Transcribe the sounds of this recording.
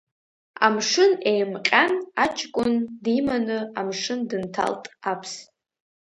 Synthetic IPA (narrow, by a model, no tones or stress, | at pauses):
a̰mʂɨnejmqʲʼanat͡ʃʰkʷʼʊndimanɨamʂɨndɨntʰa̰ltʼapʰs